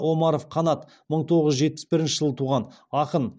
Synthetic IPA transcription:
wo̞mɑɾo̞fqʰɑnɑt̪ | məɴt̪ʰo̞ʁəzʒe̞t̪̚pɪ̥sbɪɾɪnʃɪʒəlˠət̪ʰuʁɑn | ɑqən

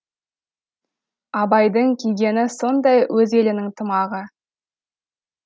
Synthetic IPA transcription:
ɑbɑjd̪əɴkʲʰijɡʲe̞nɪso̞nd̪ɑjwɵze̞lɪnɪŋt̪ʰəmɑʁə

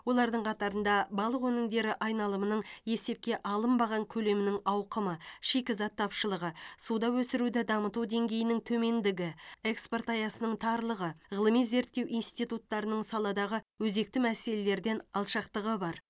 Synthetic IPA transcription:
wo̞lˠɑɾd̪əɴqʰɑt̪ɑɾənd̪ɑbɑlˠəqɵnɪŋd̪e̞ɾɪʔɑjnɑlˠəmənəɴje̞se̞p̚kʲe̞ʔɑlˠəmbɑʁɑŋkʲʰɵle̞mɪnɪŋɑwqəməʃikʲɪzɑt̪ʰːɑpʃəlˠəʁəsud̪ɑwɵsɪɾud̪ɪd̪ɑmət̪ud̪e̞ŋɡʲe̞jɪnɪŋt̪ʰɵme̞nd̪ɪɡʲɪeksport̪ɑjɑsənəɴt̪ʰɑɾlˠəʁəʁəlˠəmijze̞ɾt̪ːe̞wʔijnst̪ijt̪ut̪ːɑɾənəɴsɑlˠɑd̪ɑʁəwɵze̞k̚t̪ɪmæse̞le̞le̞ɾd̪e̞nɑlˠʃɑqt̪əʁəbɑɾ

